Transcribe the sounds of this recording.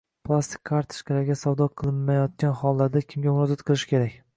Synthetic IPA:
pʰlˠast̪ʰi̥kʲʰkʰːaɾt̪ʰɪ̥ʃkʰʲalaɾɡʲasawd̪ɒqʰɨlˠɪnːajɒt̪̚kʲanhɒlˠːaɾd̪akʲʰɪmɡʲamʊɾɒzat̪qʰɨlˠɪʃɪ̥kʲʰe̞ɾakʲ

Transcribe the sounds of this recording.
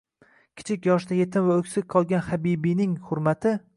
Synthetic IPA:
kʲʰɪ̥t͡ʃʰɪkʲjɒʃd̪ajet̪ɪmvaɵkʲsɪk̚ʲqʰɒlˠɡʲanχabibijnɪŋhʊɾmat̪ʰɪ

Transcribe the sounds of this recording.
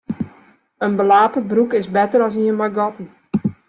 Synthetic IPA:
ənbəlaːpəbrukɪsbɛtəɾɔsiənmaɡɔtn̩

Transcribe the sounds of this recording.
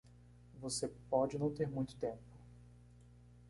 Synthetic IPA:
vosepɔd͡ʒɪnɐ̃w̃t̪eɾmũj̃t̪ʊ̥t̪ẽmpʊ̥

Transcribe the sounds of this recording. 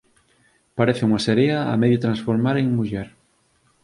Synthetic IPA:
paɾeθɪuŋaseɾeɐ̰ːmeðjot̪ɾãnsfoɾmaɾeŋmuʎɛɾ

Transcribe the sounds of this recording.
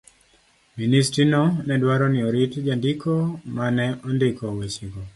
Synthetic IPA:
ministɾinɔnɛdwaɾɔnɪɔɾɪtd͡ʒandɪkɔmanɛʔɔndɪkʰɔwet͡ʃiɡɔ

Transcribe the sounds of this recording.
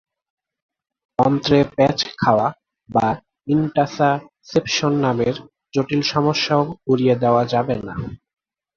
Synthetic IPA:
pɔnt̪ɾepɛt͡ɕkʰaoa | ba | iɳʈasa | sepʃonːameɾ | d͡ʑoʈilʃɔmoʃːaoɡuɾied̪eoad͡ʑabena

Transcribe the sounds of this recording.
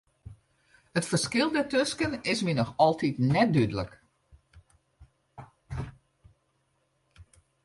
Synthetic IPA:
ətfərskɪlˠdətøskənɪsminɔxɔlˠtitnɛt̚dydələk

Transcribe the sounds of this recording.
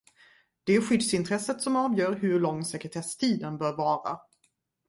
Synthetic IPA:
d̪̥ɛæɾɧʏd̪sɪnt̪ʰɾɛsət̪sɔmɑːvjœːɾɦɵɾɭɔŋːsɛkɾɛt̪ʰɛʂt̪ʰiːd̪ənbœːɾvɑːɾa̰

